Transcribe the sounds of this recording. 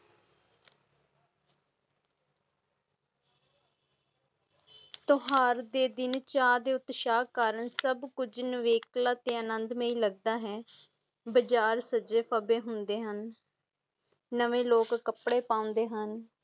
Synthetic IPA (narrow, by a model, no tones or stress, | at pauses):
t̪ʊɦaːɾd̪eːd̪ɪnt͡ʃaːd̪eːʊt̪ʃaːkaːɾənsəbkʊd͡ʒnəʋeːklaːt̪eːənənd̪mẽːiːləɡ̚d̪aːɦɛː | bəd͡ʒaːɾsəd͡ʒeːpʰaːbeːɦʊnd̪eːɦən | əʋeːloːkːəpɽeːpãːʊ̃nd̪eːɦən